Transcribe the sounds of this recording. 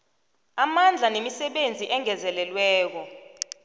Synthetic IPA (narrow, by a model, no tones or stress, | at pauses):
amand͡ɮʱanemisɛɓend͡zʱiʔɛŋɛzɛlɛlwɛːk̬ɔ